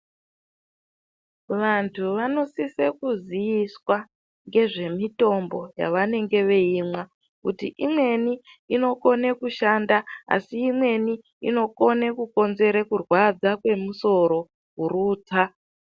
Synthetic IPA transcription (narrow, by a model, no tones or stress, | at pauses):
ʋantʰuʋano̞sisekuzijiswa | ŋɡe̞ʐe̞mito̞mbo̞ja̰ʋane̞ŋɡe̞ʋe̞iːmwa | kṵtḭʔimwe̞ni | ino̞ko̞nekuʃandaa̰siːmwe̞ni | ḭno̞ko̞nekuko̞nze̞ɾekurwad͡zakwe̞muso̞ɾo̞ | ɦuɾuːt͡sa